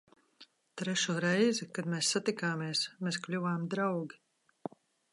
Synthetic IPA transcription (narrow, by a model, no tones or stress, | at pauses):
t̪ɾɛʃuːɾɛjzikad̪meːsːat̪ikaːmeɛsmeːsklʲuvaːmd̪ɾawɡʲi